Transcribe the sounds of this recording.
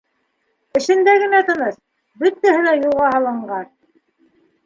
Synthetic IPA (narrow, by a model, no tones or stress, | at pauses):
ɘ̆ʃɘ̆nd̪æɡɘ̆næt̪ɤ̆nɤs | bɵt̪ːæɦɘ̆læjulˠʁɑhɑlˠɤ̆ɴɢɑn